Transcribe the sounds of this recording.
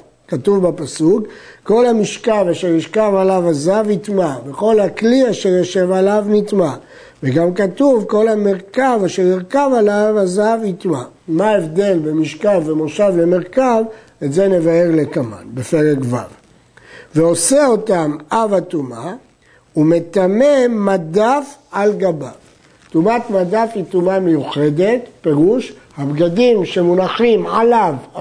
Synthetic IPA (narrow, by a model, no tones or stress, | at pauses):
katuvbapasukkːo̞lhamiʃkavaʃeʁiʁkavalavazavit̪maveχo̞lhakliaʃe̞ʁjoʃe̞valavnitma | veɡamkatuvko̞lhameʁkavaʃeʁiʁkavalavazavit̪ma | maevd̪e̞lbemiʃkavːemoʃavle̞me̞ʁkav | etze̞ne̞vae̞ʁle̞kama̰nbe̞fe̞ʁekva̰v | veo̞se̞o̞tamavatuma | ume̞t̪amemadafʕalɡaba | tumatmadafitumame̞juχe̞de̞t̪pe̞ʁuʃhabɡadimʃemunaχimʕalav